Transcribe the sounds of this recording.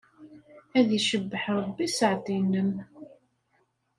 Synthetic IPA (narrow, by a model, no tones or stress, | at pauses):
æðiʃəbːəħɾˤəbːisəʕd̪inəm